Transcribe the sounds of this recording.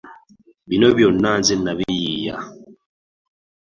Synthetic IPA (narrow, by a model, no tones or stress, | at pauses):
binoβjonːaːnzinːaβijiːja̰